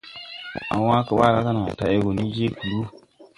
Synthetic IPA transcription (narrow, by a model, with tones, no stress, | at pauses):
a̰˨˦wa˦kə˨ɓa˦˨ɾa˦ka˦na˨ta˨e˦ɡo˨ni˦d͡ʒe˦ku˨lu˦